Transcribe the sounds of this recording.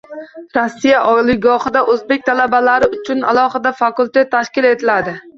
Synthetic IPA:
ɾosːijaʔɒjlˠɪɡɒχɨd̪aʔɵzbek̚ʲt̪ʰalabalaɾɪʊt͡ʃʰʊna̰lˠɒχɨd̪afɑkulʲt̪et̪ʰːaʃkʲɪle̞t̪ʰɪlad̪ɪ

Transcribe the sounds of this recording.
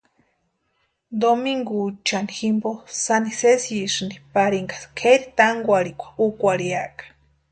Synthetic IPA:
d̪omiŋɡut͡ʃaniximbosanisesisɨnd̪ipaɾiŋɡḁskʰeɾit̪aŋɡʷaɾikʷḁukʷaɾiakḁ

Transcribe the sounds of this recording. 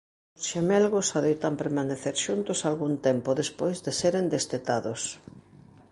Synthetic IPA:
osʃemɛlɣosaðejt̪ampeɾmaneθeɾʃunt̪ʊsalɣunt̪empoðespojzðeseɾend̪est̪et̪aðos

